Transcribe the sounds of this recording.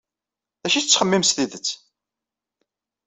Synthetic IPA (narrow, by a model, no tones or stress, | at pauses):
ðæʃiθt͡sːχəmːimsθiðət͡sː